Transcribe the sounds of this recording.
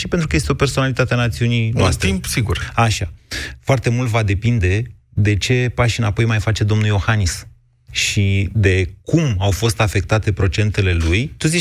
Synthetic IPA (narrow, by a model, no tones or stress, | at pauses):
ʃipe̞nt̪ɾukəje̞st̪eo̞perso̞nalit̪at̪eanat̪siunijnast̪impsiɡuraʃafoart̪e̞mult̪vad̪e̞pind̪e̞ | d̪e̞t͡ʃe̞paʃinapo̞jmajfat͡ʃe̞d̪o̞mnuljo̞xanis | ʃid̪e̞kumawfo̞st̪afe̞k̚t̪at̪e̞pɾo̞t͡ʃe̞nt̪e̞le̞lujt̪uzi